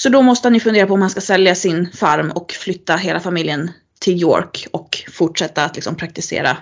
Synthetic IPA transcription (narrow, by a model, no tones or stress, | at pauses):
sɔd̪ɔmɔst̪əhanjɵfɵnd̪eːɾapʰɔmhanskasɛljasɪnfaɾmɔkflʏt̪ːaɦeːlafamɪljən | t̪ʰɪljo̰ːɾkɔkfʊʈʂɛt̪ːaːt̪lɪksɔmpʰɾak̚t̪ɪsḛːɾa̰